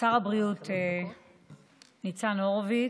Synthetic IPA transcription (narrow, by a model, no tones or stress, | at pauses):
saʁabʁiutʰe | nit͡sanoʁvi